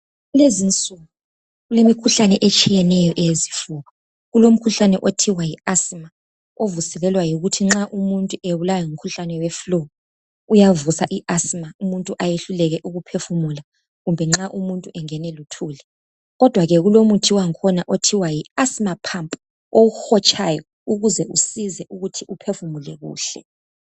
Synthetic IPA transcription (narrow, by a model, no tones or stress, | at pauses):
ɣulezint͡sʼuɣu | ɣulemikʰuɬanɛʔɛt͡ʃʼijɛnɛjɔʔɛjezifuːɣa | ɣulom̩kʰuɬanɛʔotʰiwajiasima | ovusɛlɛlwajoɣutʰiŋ͡ǁaʔumuntʼueβulajɔŋum̩kʰuɬanɛwɛflo | ujavusaʔiʔasimaumuntʼuʔajeɬulɛɣɛʔuɣupʰefumula | ɣumbʱɛŋ͡ǁaʔumuntʼuʔɛŋɛnɛlutʰuːlɛ | ɣɔd̥ʱwaɣɛɣulomutʰiwaŋkʰɔnaʔotʰiwajiasimapʰampʼu | owuxɔt͡ʃʼʰajɔ | uɣuzɛʔusizɛʔuɣutʰiʔupʰefumulɛ̰ɣṵːɬɛ̰